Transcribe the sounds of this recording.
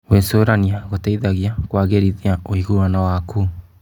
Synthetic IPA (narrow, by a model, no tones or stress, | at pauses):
wensoɾaniaɣotaiðaɣjakwaɣeɾiðiaoiɣuanawakuː